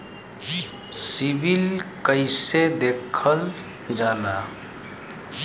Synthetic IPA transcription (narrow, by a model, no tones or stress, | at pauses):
sibilkəɪsed̪ekʰəl | d͡ʒala